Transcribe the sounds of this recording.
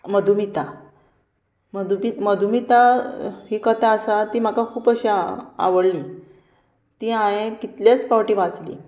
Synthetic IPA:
məd̪ʱumit̪a | məd̪ʱumiməd̪ʱumit̪aɦiːkət̪aəsat̪iːm̤akakʰuːpəɕia̰ʋəɽliː | t̪iːãjẽkit̪ljat͡spawʈiʋat͡slḭː

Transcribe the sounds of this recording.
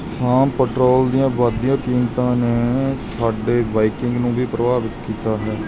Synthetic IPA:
hãːpəʈɾoːld̪ijãːbaːd̪ijãːkiːnt̪ãːneːsaːɖeːbaːikɪŋɡnũːbʱiːpɾəʋaːbɪt̪kiːt̪aːɦɛː

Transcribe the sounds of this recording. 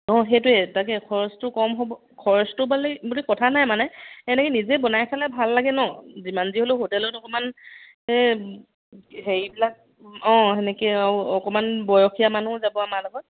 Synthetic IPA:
ɔ̃ɦejtʊɛtakɛkʰɔɹɔstʊkɔmɦobɔ | kʰɔɹɔstʊbalɛbulikɔtʰanajmanɛɛnɛkɛnizɛbɔnajkʰalɛbʱalːaɡɛnɔzimanziɦoloxotɛlɔɡɔtɔkɔman | ɛ | heɹibilak̚ | ɔ̃ɛnɛkɛawɔkɔmanbɔjɔxijamanuzabɔamaɹlɔɡɔt̚

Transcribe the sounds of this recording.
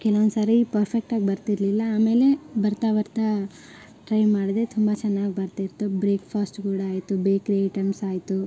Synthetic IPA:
kɛlɐʋond̪sɐɾɐipɐɾpʰek̚ʈaːɡibɐɾt̪iɾlilːɐaːme̞ːle̞bɐɾt̪aːʋɐɾt̪ɐ | ʈɾɐjmaːɽid̪et̪ʰumbɐt͡ʃɛnːaːɡibɐɾt̪iɾt̪ːubɾeːkpʰaːsʈkuːɽɐaːjt̪ubeːkɾeʈemsaːjt̪u

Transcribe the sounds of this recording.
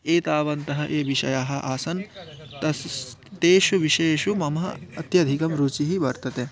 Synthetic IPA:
eːt̪aːʋɐnt̪ɐɦɐʔeːʋiʃɐ̰jaːɦɐ̆ʔaːsɐnt̪ɐst̪eːʃuʋiʃeːʃumɐmɐɦɐɐt̪jɐd̪ʱikɐmɾuːt͡ʃiɦibɐɾt̪ɐt̪eː

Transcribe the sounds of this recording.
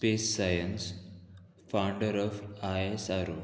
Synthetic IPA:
speːsːajəns | fawɳɖəɾɔːfaesaɾo

